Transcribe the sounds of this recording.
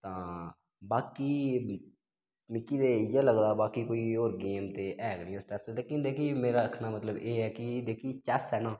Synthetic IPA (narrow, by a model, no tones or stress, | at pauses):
t̪ãː | baːkiː | mɪkːiːd̪eːjeləɡd̪aːbaːkikoːiːoːɾɡeːmt̪eːʔɛːɡnĩɛ̃sʈɛːsed̪eːkɪ̃nd̪eːkʰieːmeːɾaːkʰnaːmət̪ləbeːɦɛːkid̪eːkʰiːt͡ʃɛːsɛːnaː